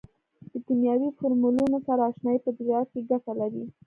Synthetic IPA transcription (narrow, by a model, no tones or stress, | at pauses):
d̪̥əkinjɑwifoɾmulunosaɾaːʃnɑjipəd̪ɾjɑt̪keɡafalaɾi